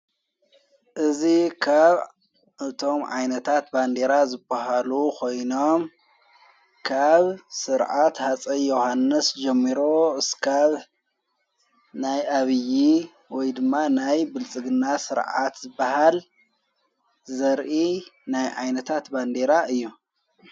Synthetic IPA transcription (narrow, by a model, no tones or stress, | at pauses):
ʔɨzikʰaβ | ʔɨt̪ʰo̞mʕa̰jnɐt̪ʰat̪band̪eɾazɨbahalukʰo̞jno̞m | kʰaβsɨɾʕat̪hat͡sʼɐjːohanːɨsd͡ʒɛmːiɾoɨskʰaβ | najʔaβɨji | wɔjd̪ɨmːanajbɨlt͡sʼɨɡɨnːasɨɾʕa̰t̪zɨbːahal | zɐɾʔinajʕajnɐt̪ʰat̪band̪eɾaʔɨjːu